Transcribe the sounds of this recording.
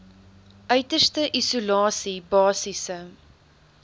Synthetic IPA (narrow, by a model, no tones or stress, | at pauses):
ʔœɥtərstəʔisulɑːsibɑːsisə